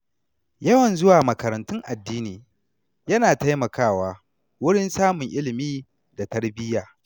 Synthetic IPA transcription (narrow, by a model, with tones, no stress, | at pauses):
jɐ˦wɐ˨nzʊ˦waː˨mɐ˨kɐ˨ɾɐ˨ntʊ˦ŋʔa˨dːiː˦niː˨ | jɐ˦naː˨ta˦jmɐ˨kaː˦˨waː˦ | wʊ˦ɽɪ˦nsaː˦mʊ˨ŋʔɪ˦lɪ˨miː˦ | da˨tɐ˦rbɪ˦jaː˨